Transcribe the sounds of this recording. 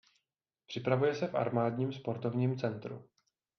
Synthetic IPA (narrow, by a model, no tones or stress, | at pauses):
pr̝̥ɪpɾavujɛsɛfʔa̰ɾmaːdɲiːmspo̞ɾt̪o̞vɲiːmt͡sɛnt̪ɾṵ